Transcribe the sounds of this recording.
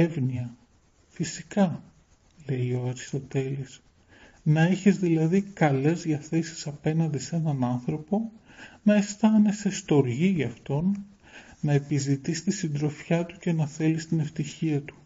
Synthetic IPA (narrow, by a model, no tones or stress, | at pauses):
evniɐ | fisikɐ | le̞io̞ɐɾist̪o̞t̪e̞lis | nɐeçizðilɐðikɐle̞zðʝɐθe̞si̥sɐpe̞nɐnd̪ise̞nɐnɐnθɾo̞po̞ | nɐe̞st̪ɐnesest̪o̞ɾʝiʝɐft̪o̞nː | ɐepizit̪ist̪isind̪ɾo̞fçɐt̪u̥ce̞nɐθe̞list̪ine̞ft̪içiɐt̪u̥